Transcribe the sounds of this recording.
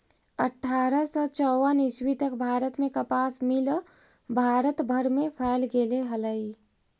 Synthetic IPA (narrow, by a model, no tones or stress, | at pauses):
əʈʰːaːɾəsɔt͡ʃɔwəniswit̪əkbʱaːɾət̪mẽkəpaːsmil | bʱaːɾət̪bʱəɾmẽpʰəlɡeleɦələi